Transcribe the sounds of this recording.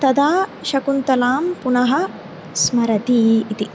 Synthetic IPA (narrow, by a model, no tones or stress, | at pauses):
t̪ɐd̪aːʃɐkunt̪ɐlaːmpunɐɦɐ | smɐɾɐt̪iːt̪i